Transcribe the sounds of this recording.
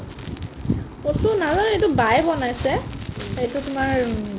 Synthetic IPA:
posunazɔnejtubajbɔnajsɛejtʊtʊmaɹ

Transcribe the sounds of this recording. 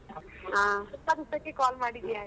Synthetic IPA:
ɦãt̪ənt̪ət͡ɕikɔlmaɽid͡ʑiaɦ

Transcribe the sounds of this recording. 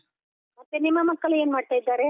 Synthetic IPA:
mɐt̪ːenimːɐmɐkːɐɭe̞ːnmaːɖ̚t̪aːjd̪ːaːɾe̞

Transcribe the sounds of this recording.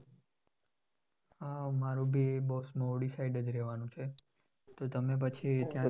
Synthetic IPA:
amaɾũbʱiebousmoɽisaɪɖəd͡ʒɾɛʋanũt͡ʃʰe | t̪ot̪əmep̬ət͡ʃʰit̪jã

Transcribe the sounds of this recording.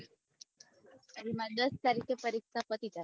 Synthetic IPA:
ɾimand̪əst̪aɾikepəɾiksʰapət̪it̪a

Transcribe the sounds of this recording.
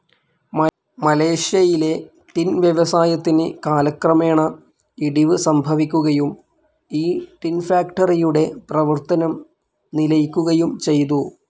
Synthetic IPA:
mɐle̞ːʂjɐjile̞ | ʈ̪inʋjɐʋɐsaːjɐt̪ːinekaːlɐkrɐme̞ːɳɐ | iɽiʋɨsɐmbʱɐʋikʲːuɣɐjum | iːʈ̪infaːkʈɐrijuɽe̞prɐʋɐrt̪ɐnɐm | nilɐjikʲːuɣɐjumt͡ɕe̞jt̪u

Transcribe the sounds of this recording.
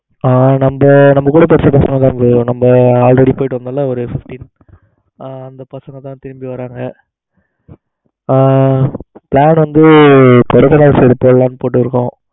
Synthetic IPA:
aːnɐmbɐnɐmːɐkːuːɽɐpɛɾsɐpɐsɐŋɡɐt̪ãːɪmbɯ̃nɐmbɐaːlɾɛɽipoːjɪʈːɯʋɐmd̪aːlːaɔɾɯfɪfʈin | ɐnd̪ɐpɐsɐŋɡɐt̪ːãːt̪ɪɾɪmbiʋɐɾaːŋɡɐ | pɭaːnʋɐnd̪ɯpɔɽɛkːɐnaːseɾɯpoːllãːnɯpoːʈ̬ːɯɾɯkːõː

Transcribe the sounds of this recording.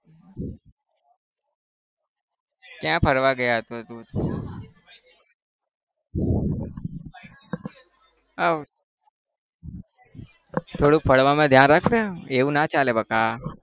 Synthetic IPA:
kjãːpʰəɾʋaɡəjaɦət̪ot̪ũ | a | t̪ʰoːɽũk̚pʰəɽʋamãd̪ʱjãːnɾakʰt̪aeʋũnat͡ʃaːlebəkaː

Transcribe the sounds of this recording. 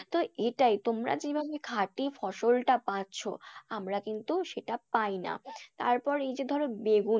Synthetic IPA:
t̪oeʈajt̪omɾa̰d͡ʑebʱabekʰaʈifɔʃolʈapatːɕʰo̰amɾakint̪uʃeʈapajna̰t̪a̰ɾpɔɾejd͡ʑed̪ʱɔɾonbeɡu

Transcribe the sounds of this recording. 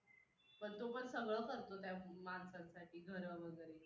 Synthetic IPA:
pəɳt̪opəɳsəɡɭəkəɾt̪ot̪jamansãnsaʈʰiːɡʱəɾəʋəɡəɾe

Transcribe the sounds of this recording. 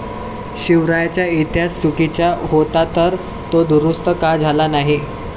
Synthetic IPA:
ɕiʋɾajat͡ɕjait̪jat͡st͡ɕukit͡ɕjaɦot̪at̪əɾ | t̪od̪uɾust̪əkad͡zʱalanaɦi

